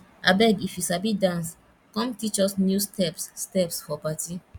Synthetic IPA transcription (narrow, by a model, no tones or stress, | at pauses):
abɛɡifjusabidãns | kɔ̃mtit͡ʃɔsnjustɛpsːtɛpsfɔpati